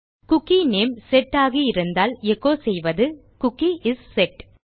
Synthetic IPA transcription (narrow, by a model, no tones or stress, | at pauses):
kʊkːineːmsɛʈːaːɣiɪɾɯnd̪aːlɛkːoːsɛjʋɐðɯ | kʊkːiʔɪsːɛʈ